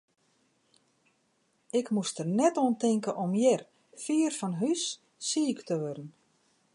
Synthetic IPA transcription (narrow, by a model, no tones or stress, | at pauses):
ɪkmustərnɛtoəntɪŋkəʔɔmjɪr | fiːərfɔnɦysː | iːktəʋørn̩